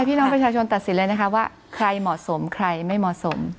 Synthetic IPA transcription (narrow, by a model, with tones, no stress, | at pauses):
jpʰiː˥˩nɔː˦˥ŋpɾt͡ɕʰaː˧t͡ɕʰo˧nt̪a˨˩t̪̚si˨˩˦nlə˧jna˥kʰa˦˥waː˥˩ | kʰɾa˧jmɔː˨˩so˩˦mkʰɾa˧jma˥˩jmɔ˨˩ʔso˩˦m